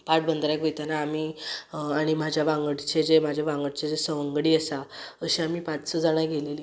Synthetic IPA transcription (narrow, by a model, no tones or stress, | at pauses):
paʈ̚bənd̪ɾakʋojt̪anaːmiːaɽ̃im̤ad͡ʑʱjaʋãŋɡəɽt͡ɕed͡zem̤ad͡ʑʱjaʋãŋɡəɽt͡ɕed͡zesəʋəŋɡɽiːəsaəɕiamiːpat͡ssɔd͡zaɽ̃ajɡeleli